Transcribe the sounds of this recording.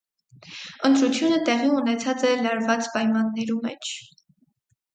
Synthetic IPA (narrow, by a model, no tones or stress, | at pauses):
ənt̪ɾut͡sʰjunət̪ɛʁiunɛt͡sʰɑt͡sɛlɑɾvɑt͡spɑjmɑnːɛɾumɛ̰t͡ʃʰ